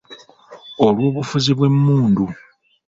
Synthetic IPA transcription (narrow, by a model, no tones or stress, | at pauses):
olwo̞ːβufuziβwe̞mːuːndu